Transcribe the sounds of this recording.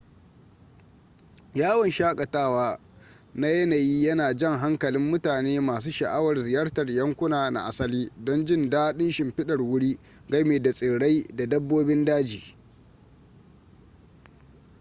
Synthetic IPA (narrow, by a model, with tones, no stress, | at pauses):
jaː˦wɐ˨nʃaː˦kʼɐ˨taː˦waː˦ | na˦jɐ˦naː˨jiː˦jɐ˦naː˨d͡ʒɛ˦ŋɦa˦ŋkɐ˨lɪ˦mːʊ˦taː˨neː˦maː˨s̬uː˦ʃɐ˨ʔa˦wɐ˨rzɪ˨jɐ˦rtɐ˨rjɐ˦ŋkʷʊ˦naː˨na̰˨ʔa˨sɐ˦liː˦dɔ˦nd͡ʒɪ˦ndaː˦ɗɪ˦nʃɪ˨mɸɪ˦ɗɐ˨rwʊ˦ɽiː˦ | ɡɐ˦meː˨da˨sʼɪ˨ɽa˦jda˨dɐ˦bːoː˦bɪ˦ndaː˦d͡ʒiː˨